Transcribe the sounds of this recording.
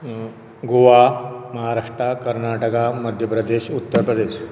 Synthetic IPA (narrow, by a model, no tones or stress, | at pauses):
ɡoʋaməɦaɾaʂʈɾakəɾnaʈəkaməd̪ʱjəpɾəd̪eɕut̪ːəɾpɾəd̪eɕ